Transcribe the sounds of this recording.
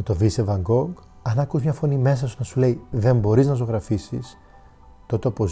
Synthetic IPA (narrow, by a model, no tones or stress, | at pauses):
t̪o̞visevɐŋɡo̞ŋɡ | ɐnɐkuzmɲɐfo̞nime̞s̬ɐsunɐsule̞iðe̞mbo̞ɾiznɐs̬oɣɾɐfisḭs | t̪o̞t̪eopoz